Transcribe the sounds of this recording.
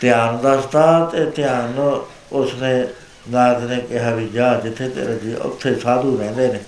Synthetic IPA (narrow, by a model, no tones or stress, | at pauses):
t̪ɪjaːnd̪aːst̪aːt̪eːt̪ɪjaːn | ʊsnẽː | naːt̪nẽːkɪɦaːʋiːd͡ʒaːd͡ʒɪt̪ʰːeːt̪ḛːɾaːd͡ʒiːʊ̰t̪ʰːeːsaːd̪uːɾɛ̃ːnd̪eːneː